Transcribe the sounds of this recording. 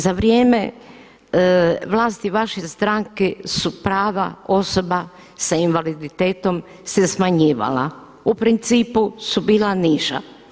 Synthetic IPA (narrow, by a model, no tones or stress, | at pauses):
zaʋɾjeːme̞ | ʋlaːst̪iʋaʃest̪ɾaŋkesupɾaːʋa̰o̞so̞ba | sainʋalid̪it̪e̞ːt̪o̞m | sesmaɲiːʋa̰la̰ | upɾint̪siːpusubiːlaniʃa̰